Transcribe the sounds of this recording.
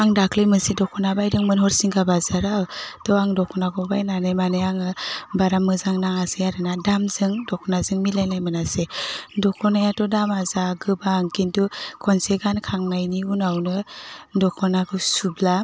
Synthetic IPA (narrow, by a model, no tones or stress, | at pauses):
aŋdakʰlɯjmɯnsidɔkʰɔnabajdɯŋmɯnɦɔɾsiŋkʰabazaɾawtɔaŋdɔkʰɔnaɡɔbajnanɯjmanɯjaŋɯbaɾamːɯzaŋnaŋaseaɾɯnadamzɯŋdɔkʰɔnazɯŋmilajnajmɯnasedɔkʰɔnajatɔdamazaɡɯbaŋkintukʰɔnseɡankʰaŋnajniunawnɯdɔkʰɔnaɡɯsubla